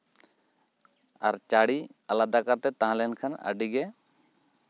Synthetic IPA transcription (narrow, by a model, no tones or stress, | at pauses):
a̰ɾt͡ʃaɽialad̪akaɾt̪ɛt̪ãɦãlɛnkʰanə̰ɖiɡɛ